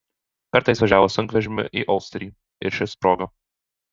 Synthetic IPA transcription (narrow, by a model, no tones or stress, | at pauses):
pʲɛɾt̪ɐɪsʋɐʒʲæːʋoːsɐŋkʋʲɛʒʲɪmʲɪ̰ʔiʔɐʊsʲt̪ʲɾʲiː | ɪ̰ɾʃʲɪspɾoːɡɐ